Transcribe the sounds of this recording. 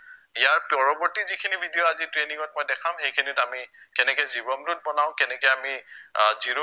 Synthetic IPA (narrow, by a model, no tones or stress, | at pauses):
ijaɹpɔɹɔbɔɹtizikʰinibʱidijɔazitɹeniŋɔt̚mɔjdɛkʰamxejkʰinitamikɛnɛkɛzibɔmdut̚bɔnaʊ̃kɛnɛkɛamiziɹo